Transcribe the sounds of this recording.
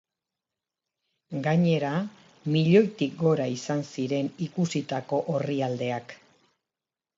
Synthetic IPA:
ɡaɲe̞ɾa | miʎo̞jt̪ik̚ɡo̞ɾaisansiɾe̞nikusit̪ako̞ʔoriald̪e̞ak

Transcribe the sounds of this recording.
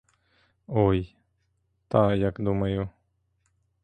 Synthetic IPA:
oːj | t̪aːjakd̪uməjo

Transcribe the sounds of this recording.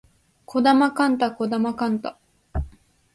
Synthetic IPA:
kʰo̞d̪amakãnt̪̬akod̪amakãnt̪a

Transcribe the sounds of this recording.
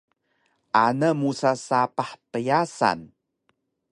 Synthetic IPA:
ʔanəmusasapaħpəjasa̰n

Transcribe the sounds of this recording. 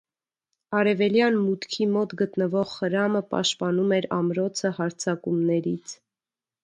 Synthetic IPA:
ɑɾɛvɛljɑnmut̪kʰimɔt̪ɡət̪nəvɔʁːəɾɑməpɑ̰ʃt̪pɑnumɛɾɑ̰mɾɔt͡sʰəhɑɾt͡sʰɑkumnɛɾit͡sʰ

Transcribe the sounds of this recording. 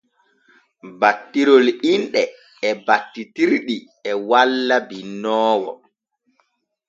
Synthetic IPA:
batːiɾɔlinɗɛ | ɛbatːitiɾɗi | ɛwalːabinːɔːwɔ̰

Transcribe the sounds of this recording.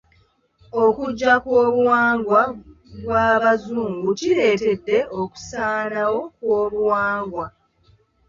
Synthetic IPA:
o̞kuɟːakwoːβuwaːŋɡwa | ɡwaːβazuːŋɡuciɾe̞ːte̞dːe̞ʔoku̥saːnawo̞kwoːβuwaːŋɡwa

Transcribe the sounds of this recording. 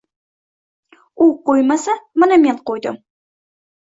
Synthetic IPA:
uqojmasamanameɴqojd̪ɪ̰m

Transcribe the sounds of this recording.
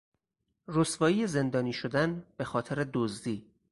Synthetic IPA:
rosvɒːjiːjeze̞nd̪ɒːniːʃod̪ænb̥e̞xɒːt̪ʰeɾed̪ozd̪iː

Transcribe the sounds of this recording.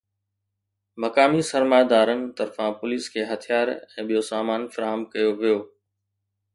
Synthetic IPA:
mɐkaːmisɐɾmaːjd̪aːɾənɪ̆t̪ɐɾfãpʊliːskʰeːɦɐt̪ʰijaːɾɛ̃ːɓijosaːmaːnfɐɾaːɦəmkɐjoʋijoː

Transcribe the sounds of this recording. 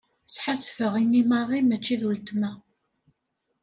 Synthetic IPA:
sħasfəʁimimɑrˤimæt͡ʃːiðwəlt̪mæ

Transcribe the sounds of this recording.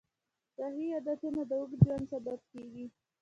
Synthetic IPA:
saɦijad̪at̪enad̪əwəɡd͡ʒwansabab̚keɡi

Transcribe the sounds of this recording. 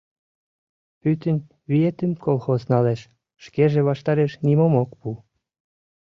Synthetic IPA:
pyt̪ənʲ | βiet̪ymkolˠxoznɑleʃ | ʃkeʒeβɑʃt̪ɑɾeʃnimomokpu

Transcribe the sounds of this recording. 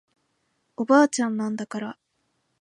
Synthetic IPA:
o̞baːt͡ɕãnːãnd̪akaɾa

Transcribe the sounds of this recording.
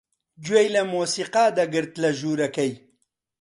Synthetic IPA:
d͡ʒwejlɐmoːsiːqaːd̪ɐɡɨɾt̪lɐʒuːɾɐkɐj

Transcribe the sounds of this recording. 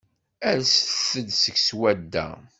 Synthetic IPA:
æɾsfθəd̪səçswæd̪ːæ̰

